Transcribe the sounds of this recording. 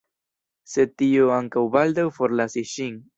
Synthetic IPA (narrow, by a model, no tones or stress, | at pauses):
set̪ioaŋkawbald̪awfoɾlasiʃiŋ